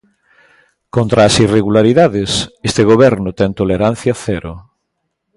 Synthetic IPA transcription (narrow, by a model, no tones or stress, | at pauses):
kont̪ɾaːsireɣulaɾiðaðɪsest̪eɣoβɛɾnʊt̪ɛŋt̪oleɾan̟θjɐθɛɾʊ